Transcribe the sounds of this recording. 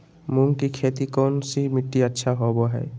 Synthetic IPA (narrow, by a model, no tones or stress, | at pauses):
muŋkikʰet̪ikɔnsimɪʈːiətːʃʰaɦoboɦɛ̰ː